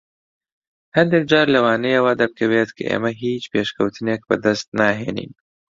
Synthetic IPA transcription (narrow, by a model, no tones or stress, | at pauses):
hɐnd̪ek̚d͡ʒaːɾlɐwaːnejewaːd̪ɐb̚kʰɐweːt̪kʰɨ̰ʔḛːmɐɦiːt͡ʃpeːʃkʰɐwt̪ʰɨneːk̚bɐ̰d̪ɐst̪̚naːɦḛːnḭːn